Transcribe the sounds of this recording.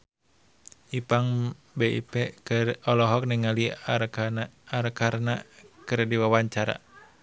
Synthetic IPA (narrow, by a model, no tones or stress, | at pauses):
ʔipaŋ | beḭpɛkrɔlɔɦɔk̚niŋali | aɾkaɾnakɨɾdiwawaɲt͡ʃaɾa̰